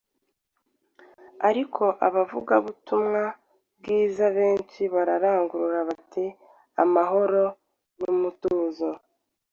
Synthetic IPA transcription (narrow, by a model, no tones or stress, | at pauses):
aɾikʰo̞ʔaβavṵɡaβutumŋa | b̚ɡiːzaβe̞ːnʃiβaɾaɾaːŋɡuɾuɾaβatʰi | a̰maɦo̞ɾo̞ | numutuːnzo